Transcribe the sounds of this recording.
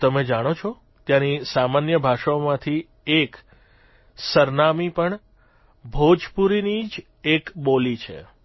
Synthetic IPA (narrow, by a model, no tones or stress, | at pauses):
t̪əmed͡ʒaɽ̃ot͡ʃʰo | t̪janisamanjəbʱaʃaomãt̪ʰi | ek | səɾnamipəɳ | bʱod͡ʒpuɾinid͡ʒ | ekɓolit͡ʃʰḛ